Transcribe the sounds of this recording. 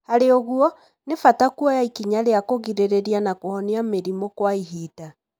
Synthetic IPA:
haɾeoɣuɔ | nefatakuɔjaikiɲaɾeakoɣiɾeɾeɾianakohɔniameɾimɔkwaihiːta

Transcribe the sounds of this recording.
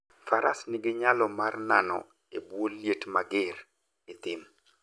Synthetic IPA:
faɾʔasnɪɡɪɲalɔmarnanɔ̰ | ebwolːjetmaɡɪr | ɪt̪ɪm

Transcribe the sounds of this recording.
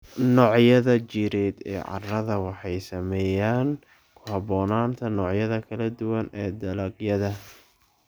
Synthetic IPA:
nɔːʕjɐðɐt͡ʃiːɾɛːd̪ɛ̰ːʕɑ̰rɐðɐwɑħɑjsɐmɛːjaːn | kʰʊhɑβɔːnaːnt̪ʰɐnɔːʕjɐðɐkʰɐlɐd̪ʊwɐnɛːd̪ɐlɐɡjɐðɐ

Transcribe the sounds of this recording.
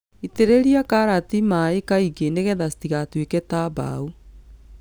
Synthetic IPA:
iteɾeɾiakaɾatimaekaiɡeneɣɛðastiɣatwekɛtaba̰u

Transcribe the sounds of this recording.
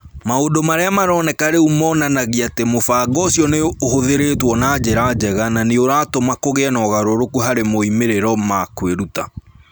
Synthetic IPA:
maodomaɾeamaɾɔnɛkaɾeumɔnanaɣiatemofaːɡɔsjɔneohoðeɾetwɔnaːd͡ʑeɾad͡ʑɛɣananeoɾaːtomakoɣeɛnɔɣaɾoɾokuɦaɾemoimeɾeɾɔmakweɾuta

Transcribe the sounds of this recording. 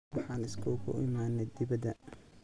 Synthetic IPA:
wɑħɑːnɪskʰɔkʰʊ̰ʔɪ̰maːnɛd̪ɪβɐd̪ɐ

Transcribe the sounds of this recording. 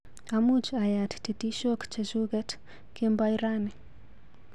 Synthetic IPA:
amud͡ʒajattitiʃɔkt͡ʃɛʒuɣɛt | kɛmbaiɾani

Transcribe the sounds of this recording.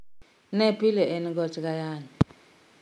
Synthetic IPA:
nɛpʰʼilɛʔenik̬ɔtʰʼik̬ajaːni

